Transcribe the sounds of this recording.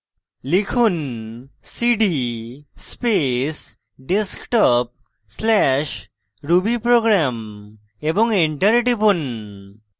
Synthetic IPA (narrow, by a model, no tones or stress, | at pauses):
likʰunsiɖispes | ɖeskʈɔp̚ | slɛʃ | ɾubipɾoɡɾam | ebɔŋiɳʈəɾɖipun